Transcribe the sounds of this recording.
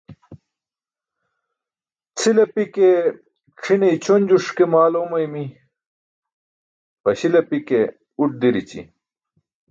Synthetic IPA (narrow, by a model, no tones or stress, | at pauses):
t͡sʰilɐpike | ʈ͡ʂʰinɐjt͡ɕʰonʲd͡ʑuʂkemaːlomɐjmi | pɐɕilɐpike | uʈ̚d̪iɾit͡ɕḭ